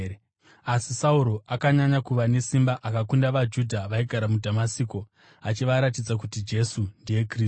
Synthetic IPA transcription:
asisauɾo̞ʔakaɲaɲakuʋane̞simbaʔakakundaʋad͡ʒudʱaʋaiɡʱaɾamudʱamasiːko̞ | at͡ʃiʋaɾat̬id͡zak̬utid͡ʒe̞sundije̞kri

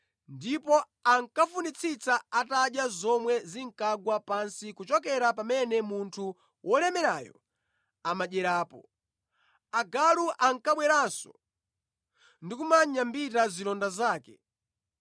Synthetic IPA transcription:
ndipɔ | aŋkafunit͡sʰit͡saataɗjazɔmwɛziŋ̩kaɡwapansikut͡ʃɔkɛɾapamɛnɛmuntʰu | wʔɔlɛmɛɾaːjɔ̰ | amaʄɛɾaːpɔ̰ | aɡaluʔaŋkaɓwɛɾansɔ | ndikumaɲambitazilɔndazaːkɛ

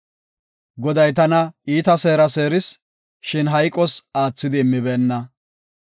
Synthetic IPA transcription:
ɡɔd̪ɐjt̪ɐnɐiːt̪ɐse̞ːɾɐseːɾɪs | ʃɪnɦɐjkʼːɔsaːt͡sːɪd̪ɪːmːɪbeːnːɐ

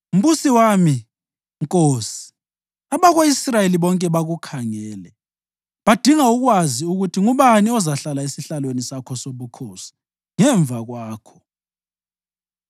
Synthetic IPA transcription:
um̩βusiwami | ŋkʼoːsi̥ | aβaɣoisrajeliβɔŋkʼɛβaɣukʰaŋɛːlɛ | βad̥ʱiŋauɣwaziuɣutʰiŋuβaniɔzaɬalaesiɬalwenisakʰɔsoβukʰoːsi̥ | ŋɛɱb̪vaɣwaːkʰɔ̥

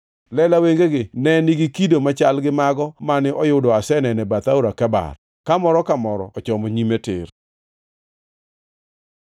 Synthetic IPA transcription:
lɛlaweŋɡeɡɪnɛniɡikidomat͡ʃalɡɪmaɡɔmanɪʔɔjʊdɔasɛnɛnɛbat̪auɾakɛba̰r | kamɔɾɔkamɔɾɔ̰ɔt͡ʃɔmoɲimetɪ̰r

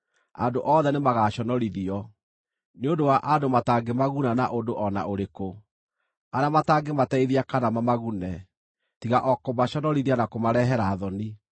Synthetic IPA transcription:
a̰doʔɔðɛnemaɣaɕɔnɔɾiðiɔ | neondowaʔadomataːŋɡemaɣunanaʔondoʔɔna̰ʔoɾeko | anamataŋɡematɛiðiakanamamaɣunɛ | tiɣaʔɔkomaɕɔnɔɾiðianakomaɾɛɦɛɾaːðɔni

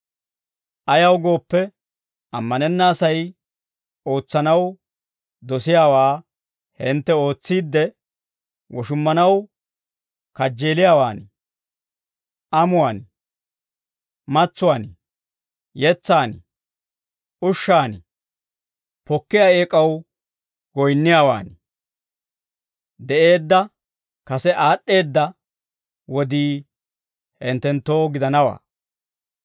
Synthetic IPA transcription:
ʔɐjɐwɡo̞ːpːɛ | ɐmːɐnɛnːaːsɐj | o̞ːt͡sːɐnɐw | d̪ɔsɪjaːwaː | hɪnt̪ːɛo̞ːt͡sːiːd̪ːɛ | wɔʃʊmːɐnɐw | kɐd͡ʒːe̞ːlɪjaːwaːn | ʔɐmʊwaːn | mɐt͡sːʊwaːnɪ | jɛt͡sːaːn | ʔʊʃːaːn | pɔkːɪjaːeːkʼɐw | ɡɔjnːɪjaːwa̰ːn | d̪ɛʔe̞ːd̪ːɐ | kɐsɛʔaːɗːe̞ːd̪ːɐ | wɔd̪iː | hɛnt̪ːɛnt̪ːoːɡɪd̪ɐnɐwa̰ː

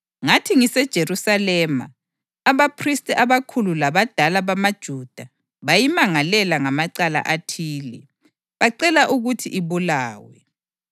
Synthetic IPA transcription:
ŋatʰiŋisɛd̥ʒ̥ʱeɾusalɛma̰ː | βapʰristʼiʔaβakʰululaβad̥ʱalaβamad̥ʒ̥ʱud̥ʱa | βajimaŋalɛlaŋamaǀala̰ʔatʰiːlɛ | βaǀɛlaʔuɣutʰiʔiβulaːwɛ

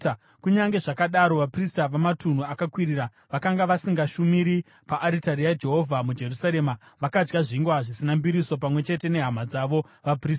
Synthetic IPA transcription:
kuɲaŋɡe̞ʐakaɗaɾo̞ʋapristaʋamatun̤uakakwiɾiːɾa | ʋakaŋɡaʋasiŋɡaʃumiɾi | paʔːɾitaɾijad͡ʒe̞ɦo̞vʱamud͡ʒe̞rusaɾe̞ːmaʋakad͡ʒɡaʐiŋɡwaʐisinambiɾiso̞pamwe̞t͡ʃe̞te̞ne̞ɦamad͡zaʋo̞ | ʋapriːsa

